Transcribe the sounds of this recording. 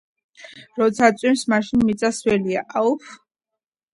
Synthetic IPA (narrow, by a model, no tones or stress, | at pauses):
ɾɔt̪sʰat̪sʼimsmaʃinmit̪sʼaswɛlia̰ʔaf